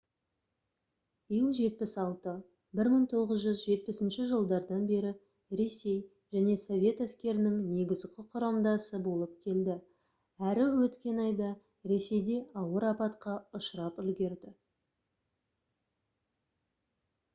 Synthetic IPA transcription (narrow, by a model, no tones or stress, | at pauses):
b̥ijəlˠʒe̞t̪̚pɪsɑlˠt̪ə | bɪɾməŋt̪ʰo̞ʁəzʒʏzʒe̞t̪̚pɪsɪnʃɪʒəlˠd̪ɑɾd̪ɑnbe̞ɾɪ | ɾe̞se̞j | ʒ̥æne̞so̞vʲe̞t̪æskʲe̞ɾɪnɪŋne̞ɡʲɪzkʲʰɪqʰʊɾɑmd̪ɑsəbo̞lˠəp̚kʲʰe̞ld̪ɪ | æɾɪwɵt̪kʲe̞nɑjd̪ɑ | ɾe̞se̞jd̪e̞ɑwəɾɑpɑt̪qɑʊʃəɾɑpʏlɡʲe̞ɾd̪ɪ